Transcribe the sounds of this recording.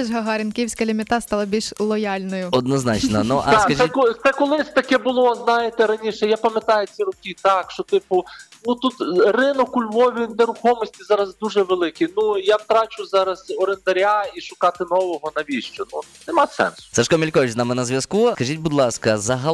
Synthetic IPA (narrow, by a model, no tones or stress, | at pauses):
ʒɦɐɦɑɾʲɪnkʲiwsʲkɐlʲimʲɪt̪ɑst̪ɑlˠɐbʲilʲʃlˠɔjɑlʲnɔjʊɔd̪nɔznɑt͡ʃnɔnuʔɐd̪akɐʒɛk̪sɛkʊlˠɪsʲt̪ɐkɛbʊlˠɔznɑjet̪ɛɾɐnʲiʃɛjapɐmʲɐt̪ɑjɛt͡sʲiɾʊkʲit̪ɑkʃt͡ʃɔt̪ɪpʊnut̪ut̪rɪnʊkʊlʲʋɔʋʲinɛɾʊxɔmɔsʲtʲizɑɾɐzd̪uʒɛʋelˠɪkʲinujawt̪ɾɑt͡ʃʊzɑɾɐz̥ɔɾend̪ɐɾʲaiʃʊkɑt̪ɪnɔʋɔɦɔnɐʋʲiʃt͡ʃɔnu | nɛmɑsɛ̰nsʊ̥sɛʃkɔmʲilʲkɔʋʲɪznamɪnɐzʋʲjɐskukɐʒʲitʲbud̪lˠɑskɐzɐɦɐ